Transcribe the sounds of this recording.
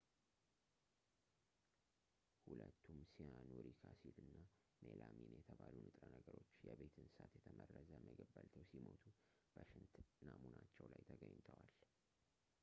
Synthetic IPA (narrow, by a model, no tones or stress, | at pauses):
hulət̪ːumsijanoɾikʰasilɨnːa | melaminjɛt̪ʰəβalunɨt̪ʼɾənəɡəɾo̞t͡ʃːjɛβe̞t̪ʰɨnsat̪jɛt̪ʰəmərːəzəməɡəbːəlt̪ʰəwsimot̪ʰu | b̥əʃɪnt̪namunat͡ʃːɛwlajt̪ʰəɡəɲːt̪ʰəwal